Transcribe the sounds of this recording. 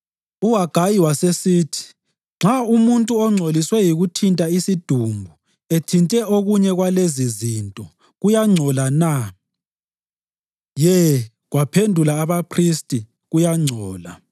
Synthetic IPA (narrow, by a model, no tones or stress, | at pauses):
uaɡ̥ʱajiwasesiːtʰi̥ | ŋ͡ǁʱaumuntʼuɔŋ͡ǀʱoliswɛjiɣutʰintʼaisid̥ʱumbʱu | etʰintʼɛʔoɣuɲɛɣwalezizintʼɔ | ɣujaŋ͡ǀʱɔlana | jɛ | ɣwapʰendʱulaːβapʰristʼi | ɣujaŋ͡ǀʱɔːla